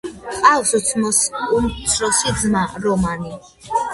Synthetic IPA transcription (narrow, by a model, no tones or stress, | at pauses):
alsut̪sʰmɔsunsʰɾɔsid̪zmaɾɔmani